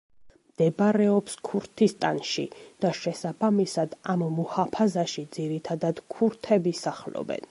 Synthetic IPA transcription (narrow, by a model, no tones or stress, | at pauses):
md̪̥ɛbɾɛɔpskʰuɾt̪ʰist̪ʼanʃḭd̪̥aʃɛsabamisad̪ammɔhapʰazaʃid̪ziɾit̪ʰad̪ad̪̥kʰuɾt̪ʰɛbisaχlɔ̰bɛ̰n